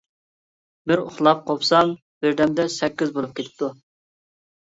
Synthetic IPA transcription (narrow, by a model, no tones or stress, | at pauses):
bɪɾʊ̰χlˠɑp̚qʰopsɑm | b̥ɪɾd̪ɛmd̪ɛsɛkʲːɪzbolˠup̚kʲet̪ʰɪ̥p̚t̪ʰu